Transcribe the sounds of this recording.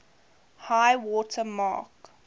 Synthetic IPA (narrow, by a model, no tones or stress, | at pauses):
haɪwɔtʰəmɑ̰ːk